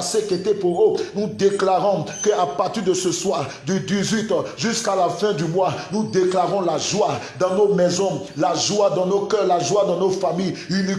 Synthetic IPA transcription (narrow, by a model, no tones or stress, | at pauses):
seket̪ɛpoʁonud̪eklaʁɔ̃kəapaʁt̪iʁd̪əsəswaʁ | d̪yd̪izɥit̪ʒyskalafɛ̃d̪ymwanud̪eklaʁɔ̃laʒwa | d̪ɑ̃nomɛzɔ̃laʒwad̪ɑ̃nokœʁlaʒwad̪ɑ̃nofamijyni